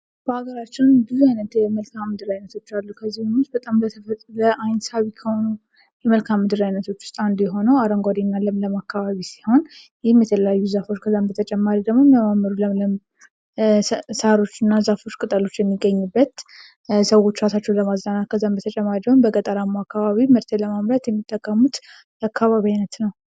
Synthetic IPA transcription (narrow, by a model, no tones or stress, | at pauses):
b̥əaɡəɾat͡ʃːɪnbɨzuajnət̪jɛməlkʰamːɨd̪ɨɾajnːət̪ʰo̞t͡ʃːalːukʰəzːimɨnus̚bət̪ʼamlət̪ʰəfət̪ʼləʔajnsaβikʰəhonu | jɛməlkʰamːɨd̪ɨɾajnːət̪ʰo̞t͡ʃːwʊ̥st̪ʼand̪ujɛɦo̞nəwaɾəŋɡʷad̪inːalːəmləmakːaβaβisi̥ho̞n | jɪhmjɛt̪ʰələjajːuzafo̞t͡ʃːkʰəzːambət̪ʰət͡ʃʼɛmːaɾid̪əɡmo̞mjɛmamːəɾulələm | saɾo̞t͡ʃːɨnːazafo̞t͡ʃːkʼɨt̪ʼəlo̞t͡ʃːjɛmːiɡəɲːubːət̪ | səwo̞t͡ʃːɾat̪at͡ʃːɛwləmaznanat̪̚kʰəzːanbət̪ʰət͡ʃʼɛmːaɾiwonbəkʼət̪ʼəɾamːuakʰːaβaβimɨɾt̪ʰeləmamɾət̪jɛmːit̪ʼːəkʼːəmut̪ | akʰːaβaβiajnət̪nəw